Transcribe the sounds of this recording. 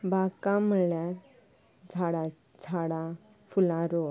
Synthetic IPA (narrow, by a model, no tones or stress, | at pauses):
bakaməljaɾ | d͡zʱaɽa | d͡zʰʱaɽa | fʰulãɾo